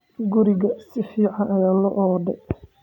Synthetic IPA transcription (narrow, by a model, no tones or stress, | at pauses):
ɡʊɾɪɣɐsɪfiːʕɑnʔɐjaːlɔʔɔd̪ɛ